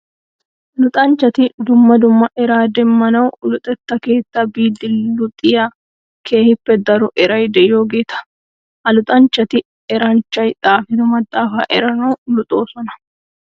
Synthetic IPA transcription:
lʊt̪ʼɐnt͡ʃːɐt̪ɪd̪ʊmːɐd̪ʊmːɐʔɛɾaːd̪ɛmːɐnɐwlʊt̪ʼɛt̪ːɐke̞ːt̪ːɐbiːd̪ɪlːʊt̪ʼɪja | kʰe̞ːhɪpːɛd̪ɐɾɔʔɛɾɐjd̪ɛjjo̞ːɡe̞ːt̪ɐ̥ | hɐlʊt̪ʼɐnt͡ʃːɐt̪ɪ | ɛɾɐnt͡ʃːɐjt̪ʼaːfɪd̪ɔmɐt̪ʼːaːfa̰ːʔɛɾɐnɐwlʊt̪ʼo̞ːsɔnɐ̥

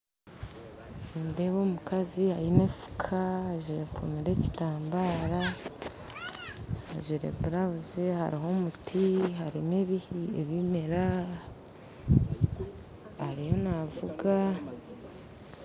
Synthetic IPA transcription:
mdeβomukazihajinefu̥kʰaʒiɾekʰumiɾe̞ci̥taːmbaːɾa | ʒiɾḛbuɾaβuzeha̰ɾiɦo̞mutʰihaɾimeβihieβimeɾa | aɾijo̞navuɡa

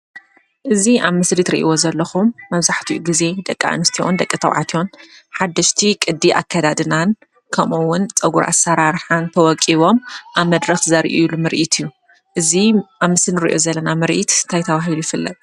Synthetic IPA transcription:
ʔɨziʔaβmɨslit̪ɾḭʔḭwo̞zɐlːɐxumːɐβzaħt̪ʰiʔuɡize̞d̪ɐkʼːaa̰nɨst̪ʰiond̪ɐkʼːɨt̪ʰɐ̰wʕa̰t̪ʰionħad̪ːɐʃt̪ʰikʼɨd̪ːiʔa̰kʰːɐd̪ad̪ɨnan | kʰɐmuwːʊnt͡sʼɐɡuɾʔa̰sːɐɾaɾħant̪ʰɐwɔkʼːiβo̞mʔaβmɐd̪ɾɐxzɐɾʔilumɨɾʔit̪ʰɨjːu | ʔɨziʔaβmɨsinɨɾiʔo̞zɐlːɐnamɨɾʔḭt̪nt̪ʰajt̪ʰɐβaɦilujɪfɨlːɐ̰t̪ʼ

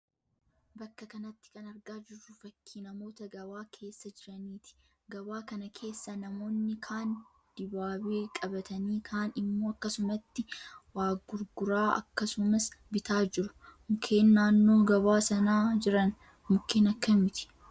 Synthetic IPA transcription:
bɐkːɐkɐnɐt̪ːɪ̥kɐnɐɾɡaːd͡ʒɪrːʊfɐkʰːiːnɐmo̞ːt̪ɐɡɐbaːkʰe̞ːsːɐd͡ʒɪɾɐniːt̪ɪ̥ | ɡɐβaːkɐnɐkʰe̞ːsːɐnɐmo̞ːnːɪkʰaːn | d̪̥ɪbaːbeːkʼɐbɐt̪ɐniːkʰaːnɪmːo̞ːɐkːɐsʊmɐt̪ːɪwaːɡʊɾɡʊɾaːʔɐ̰kːɐsʊmɐsbɪt̪aːd͡ʒɪɾʊmʊkʰe̞ːnːaːnːo̞ːɡɐβaːsɐnaːd͡ʒɪɾɐn | mʊkʰːeːnɐkːɐmɪt̪ɪ̥

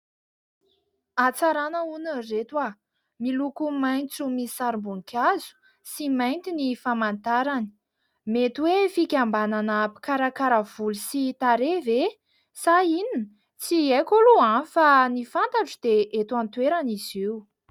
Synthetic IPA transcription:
at͡saɾanəunəret̪wa | milukumajnt͡sumisaɾmbuŋkʲʰazu̥ | simajnt̪inifamant̪aɾani̥ | met̪wefikʲambananəpi̥kaɾakaɾəv̥ulusit̪aɾeve | sainin | t͡siekʲoluanfanifant̪aʈ͡ʂud̪eʔet̪want̪weɾaniziu

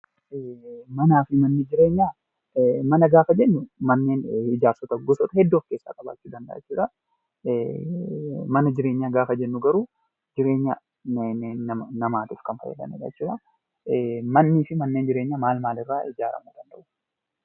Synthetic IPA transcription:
mɐnaːfɪmɐnːɪd͡ʒɪɾe̞ːɲːaː | mɐnɐɡaːfɐd͡ʒɛnːʊmɐnːeːnɪd͡ʒaːɾsɔt̪ɐɡɔsɔt̪ɐhɛd̪ːo̞ːfke̞ːsːa̰ːkʼɐba̰ːt͡ʃːuːd̪ɐnd̪ɐ̰ʔt͡ʃːuːᶑɐ | mɐnɐd͡ʒɪɾeːɲːaːɡaːfɐd͡ʒɛnːʊɡɐɾuː | d͡ʒɪɾe̞ːɲːa̰ | nːɐnɐmaːt̪ufkɐnfɐ̰jɛ̰d̪ɐ̰nɛᶑɐ̰t͡ʃːuːᶑɐ | mɐnːiːfɪmɐnːe̞ːnd͡ʒɪɾe̞ːɲːaːmaːlmaːlɪrːaːɪd͡ʒaːɾɐ̰muːd̪ɐnd̪ɐʔʊ̥

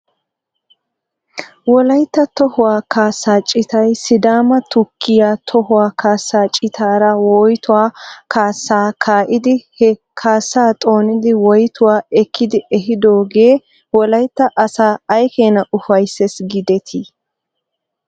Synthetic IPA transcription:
wɔlɐjt̪ːɐt̪ɔhʊwaːkaːsːaːt͡ʃʼɪt̪ɐjsɪd̪aːmɐt̪ʊkʰːɪjaːt̪ʰɔhʊwaːkaːsːaːt͡ʃʼɪt̪ʰaːɾɐwojt̪ʊwaːkʰaːsːaːkʰaːʔɪd̪ɪhɛ | kʰaːsːaːt̪ʼo̞ːnɪd̪ɪwɔjt̪ʊwaːɛkʰːɪd̪ɪʔɛɦɪd̪oːɡe̞ː | wɔlɐjt̪ːɐʔɐsaːɐjkeːnɐʔʊfɐjsːɛsɡɪd̪ɛt̪ʰi

